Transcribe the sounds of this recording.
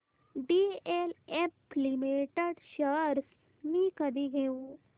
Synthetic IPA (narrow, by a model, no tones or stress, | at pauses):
ɖiːeleplimeːʈəɖʃəɾs | mikəd̪iɡeu